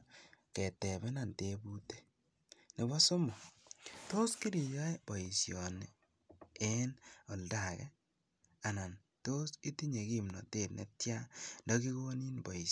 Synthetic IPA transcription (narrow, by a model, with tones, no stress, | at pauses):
kɛ˨tɛ˨bɛ˦na˨ntebu˦te̥˦ | nɪ˨bɔ˦so˦mɔ˨to˦ski˦ɾi˨jɔ˦e˦b̥ɔ˨i˨sjɔ˨ni | ɛ˦nɔ˨lda˨kɛ˦ | a˨na˨n | to˦si˦ti˦ɲe˨ki˨mnɔ̰˨te˦˨tnḛ˦tja˦ndɔ˦ki˦ɣo˦ni˦nbɔ˨i˨